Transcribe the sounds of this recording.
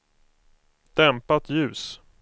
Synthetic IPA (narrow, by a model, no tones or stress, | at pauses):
d̪̥ɛmpat̪jʉ̟ːs